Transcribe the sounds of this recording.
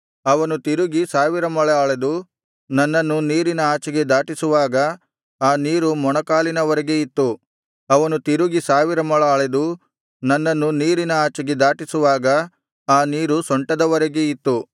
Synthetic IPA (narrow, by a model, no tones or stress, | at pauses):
ɐʋɐnut̪iɾuɡisaːʋiɾɐmɐɭɐaːɭed̪u | nɐnːɐnːuniːɾinɐaːt͡ʃɐɡe̞d̪aːʈisuʋaːɡɐ | aːniːɾumɔɳɐkaːlinɐʋɐɾeɡe̞it̪ːu | ɐʋɐnut̪iɾuɡisaːʋiɾɐmɐɭɐaːɭed̪u | nɐnːɐnːuniːɾinɐaːt͡ʃɐɡe̞d̪aːʈisuʋaːɡɐ | aːniːɾusɔɳʈɐd̪ɐʋɐɾeɡe̞it̪ːu